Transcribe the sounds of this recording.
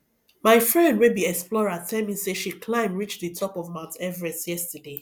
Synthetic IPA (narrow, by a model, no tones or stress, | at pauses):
maɪfɹɛ̃ndwebiɛksplɔɹatʰɛlˠmiseʃikʰlãɪ̃mɹit͡ʃðɨtʰɔpɔvmãntɛvəɹɛ̃stjɛstəde